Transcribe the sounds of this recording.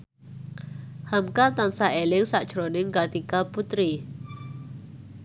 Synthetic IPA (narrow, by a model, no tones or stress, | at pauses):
hamkat̪ansaʔelɪŋsaʔd̥ʒ̥ɾonɪŋkart̪ikalput̪ɾi